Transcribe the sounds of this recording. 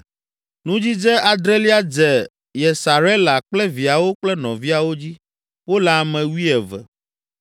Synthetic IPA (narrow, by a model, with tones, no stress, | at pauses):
nũ˦d͡ʑi˦d͡ʒɛ˦a˨d̪ɾɛ˦li˦a˦d͡ʒɛ˨ | jɛ˨sa˨ɾɛ˦la˨k͡plɛ˦vi˨a˨wo˦k͡plɛ˦nɔ̃˨vi˦a˨wo˦d͡ʑi˦ | wo˦la˨mɛ̃˨wi˦ɛ˨vɛ̰˨